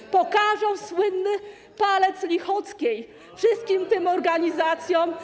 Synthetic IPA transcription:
pɔkaʐɔwswɘnːɘ | palɛt̪slʲixɔt̪skʲej | fʂɘst̪̚kʲimt̪ɘmɔɾɡaɲizat̪sʲjɔ̃m

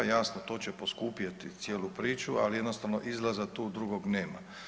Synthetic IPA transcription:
jasnot̪oːt͡ɕepo̞skuːpjat̪it̪sjeːlupɾiːt͡ʃua̰lijed̪nost̪aʋno̰ʔizlazat̪uːd̪ɾuɡoɡneːma̰

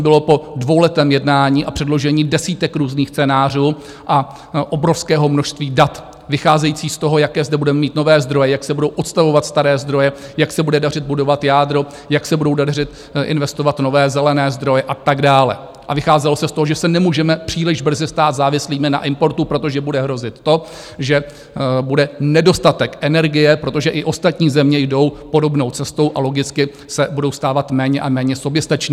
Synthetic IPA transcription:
bɪlo̞po̞dvo̞wlɛt̪ɛːmjɛdnaːɲiːʔapr̥ɛdlo̞ʒɛɲiːdɛsiːt̪ɛkɾuːzniːxt͡sɛnaːr̝uː | ʔa | ʔobɾo̞fskɛːɦo̞mnoʃst̪viːdat̪ | vɪxaːzɛjiːt͡siːst̪o̞ɦo̞jakɛːzdɛbudɛmɛmiːt̪no̞vɛːzd̪ɾo̞jɛjaksɛbudo̞wʔot̪st̪avo̞vat̪st̪aɾɛːzd̪ɾo̞jɛjaksɛbudɛdar̝ɪd̪̚budo̞vat̪jaːd̪ɾo̞ | jaksɛbudo̞wdarɪt̪ | ʔɪ̰nvɛst̪ovat̪novɛːzɛlɛnɛːzd̪ɾo̞jɛʔat̪aɡdaːlɛ̰ | ʔa̰vɪxaːzɛlosɛst̪oɦoʒɛsɛnɛmuːʒɛmɛpr̝̥iːlɪʒbr̩zɪst̪aːt̪zaːvɪsliːmɪna̰ʔɪmpo̞ɾt̪upɾo̞t̪o̞ʒɛbudɛɦɾo̞zɪt̪ːo̞ | ʒɛ | budɛnɛdo̞st̪at̪ɛkʔɛnɛɾɡɪjɛpɾo̞t̪o̞ʒɛʔɪʔo̞st̪at̪ɲiːzɛmɲɛjdo̞wpo̞do̞bno̞wt͡sɛst̪o̞wʔalo̞ɡɪt͡skɪ | sɛbudo̞wst̪aːvat̪mɛːɲɛʔamɛːɲɛsobjɛst̪at͡ʃɲi

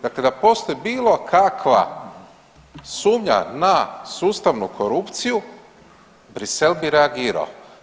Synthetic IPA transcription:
d̪akled̪apo̞st̪ojebiːlˠo̞kʰakʰʋa̰ | suːmɲa̰nasuːst̪aʋnukʰoɾupt̪siju | bɾise̞lbiɾeaɡiːɾa̰o

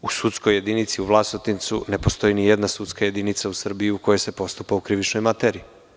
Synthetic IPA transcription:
usut̪skoje̞d̪init̪siuʋlˠasnot̪int̪sune̞po̞st̪o̞jinijed̪nasut̪skaje̞d̪init̪sausr̩biiukojo̞jse̞po̞st̪upaukɾiʋit͡ʃno̞jmat̪eɾi

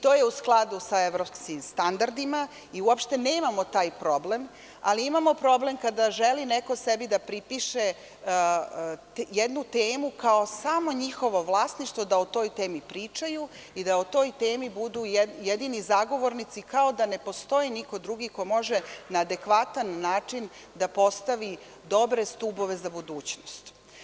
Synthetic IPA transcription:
t̪o̞ːjeusklˠad̪usaeʋɾopskimst̪and̪aɾd̪ima | iuopʃt̪e̞ne̞ːmamot̪aːjpɾo̞blem | aliimamo̞pɾo̞ble̞mkad̪aʒelineko̞sebid̪apɾipiʃe | jed̪nut̪eːmukaosamo̞ɲixo̞ʋo̞ʋlˠaːsniʃt̪ʋod̪aot̪o̞ːjt̪e̞ːmipɾiːt͡ʃaju | id̪aot̪o̞ːjt̪e̞ːmibud̪ujjed̪inizaɡo̞ʋo̞ɾnit̪sikao̞d̪ane̞po̞st̪o̞jiniko̞d̪ɾuɡikomo̞ʒenaːd̪e̞kʋat̪anːaːt͡ʂin | d̪apo̞st̪aʋi | d̪o̞bɾe̞st̪ubo̞ʋe̞zabud̪uːt͡ɕnost̪

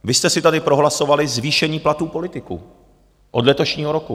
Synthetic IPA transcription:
vɪst̪ɛsɪt̪adɪpɾo̞ɦlaso̞valɪzviːʃɛɲiːplat̪uːpo̞lɪt̪ɪkṵ | ʔo̞dlɛt̪oʃɲiːɦo̞ɾoku

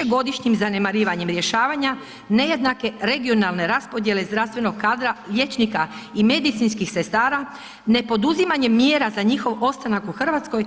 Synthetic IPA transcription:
eɡo̞d̪iʃɲimzane̞maɾiːʋaɲe̞mɾje̞ʃaːʋaɲa | ne̞je̞d̪nake̞ɾe̞ɡio̞nalne̞ɾaspo̞d̪je̞lezd̪ɾast̪ʋe̞no̞ɡ̚kaːd̪ɾaʎʲe̞t͡ʃnikaime̞d̪it̪sinskixse̞st̪aːɾa | ne̞po̞d̪uzimaɲemːjeːɾazaɲixo̞ʋo̞st̪anakuxr̩ʋat̪sko̞j

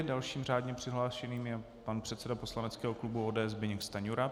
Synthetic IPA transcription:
dalʃiːmr̝aːdɲɛpr̝̥ɪɦlaːʃɛniːmjɛ | panpr̝̥ɛt̪sɛdapo̞slanɛt͡skɛːɦoklubuoːdɛːʔɛzbɛɲɛkst̪aɲuɾa

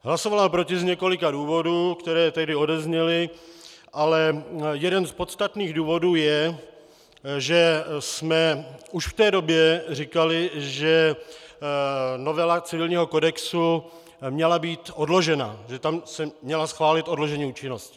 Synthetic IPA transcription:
ɦlasovalapɾocɪzɲɛko̞lɪkaduːvo̞duːkt̪ɛɾɛːt̪ɛɦdɪo̞dɛzɲɛlɪ | ʔalɛjɛdɛnspo̞t̪st̪at̪niːɣduːvo̞duːjɛ | ʒɛsmɛuʃft̪ɛːdo̞bjɛrikalɪʒɛ | no̞vɛlat͡sɪvɪlɲiːɦo̞ko̞dɛksu | mɲɛlabiːt̪o̞dlo̞ʒɛna̰ʒɛt̪amsɛmɲɛlasxvaːlɪt̪o̞dloʒɛɲiːuːt͡ʃɪnoscɪ̥

